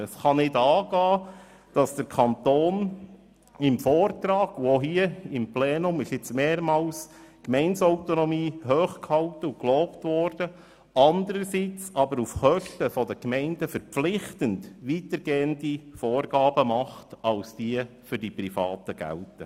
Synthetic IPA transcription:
əsχɑnɪdɑːɡɑː | d̥ɑsd̥əɾkʰɑnt̪oːn | ɪmfɔːrtɾɑːɡ̥uoɦiəɪmplɛːnʊmɪʃɪt͡smeːɾmɑːlskmɛɪnsɔʊtɔnɔmiːɦøːχkhɑltəukloːptʋɔːrd̥ə | ɑndəɾəsit͡sɑbəɾufχœʃtəfɔdəkmɛɪnd̥əfəɾflɪχtəndʋitəɾɡeːəndifoːrɡɑːbəmɑχtɑlsd̥iːəfʏɾdipɾifɑ̰ːtəɡ̥æ̰ltə

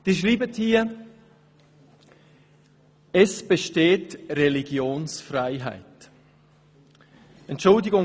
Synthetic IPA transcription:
d̥iːʃʁiːbəthiːɐ | ɛsb̥eʃteːtreliɡjoːnsfraɪɦa̰ɪt | ɛntʃʊldɪɡʊ

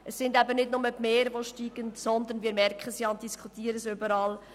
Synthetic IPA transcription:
ʔəsːɪndæbənɪdnʊməbmeːɾʋoʃtiːɡ̥əntsɔnd̪ənviːmɛrkχəsjɑːntdiskʰχut̪iːəɾəsʏbəɾɑːl

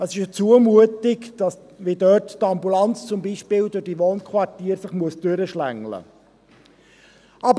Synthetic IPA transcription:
əsɪʃət͡suəmuətɪkd̥ɑs | vʋidœːttɑmbulɑnt͡st͡sʊmbiːʃpɪːldʊɾd̥iʋoːnkʰχʋɑrtiːɾsɪχmuəsd̥øɾəʃlæŋlə̰ | ʔɑb

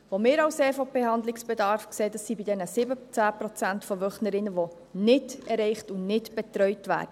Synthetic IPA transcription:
ʋomɪːɾɑwseːɾfɔb̥ɛhɑnd̪lɪksb̥ɛdɑɾfkseːdɑsːibidɛnəsɪbət͡sæːpɾɔt͡sæntfɔʋœχnəɾɪnːəʋo | nɪdɛrɛɪχtʊnnɪdb̥ɛt̪ɾœʏtʋæ̰ːɾd̥ə

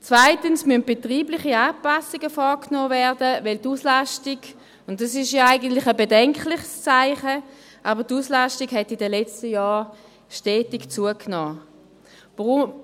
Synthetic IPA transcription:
t͡svaɪtənsmynt̚b̥etʁiːblɪχiaːpasiɡəfɔkʰnoːvɛɐdəvɛltuslaʃtiɡ | ʊntdɑsɪʃjaaɪɡəntlɪχəbedɛŋklɪχst͡saɪχə | ʔaːbɐtuslaʃtiɡɦɛtɪdəlɛt͡stəjaː | ʃtɛːtikt͡suəknoː | vʁ

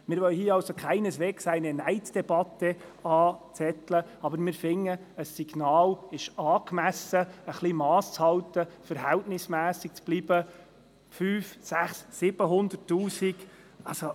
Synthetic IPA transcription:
mɪɾʋœwhiːəɑwsokʰχæɪnəsʋeːksæɪnənæɪt͡sd̥ɛb̥ɑt̪ːɛ | ɑːt͡sɛt̪ləɑbəɾmɪːɾfɪŋːə | əsːiɡnɑːlɪʃɑːkmæsəəχlimɑːst͡shɑwt̪əfəɾɦɛltnɪsmæːsɪk̚t͡sb̥liːb̥ə | fyːfsæχsːɪb̥əɦʊnd̪ərtːuːsiɡ | ɑlso

